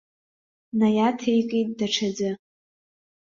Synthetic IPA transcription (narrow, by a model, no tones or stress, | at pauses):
najatʰejkʼejtʼdaʈ͡ʂʰad͡zɨ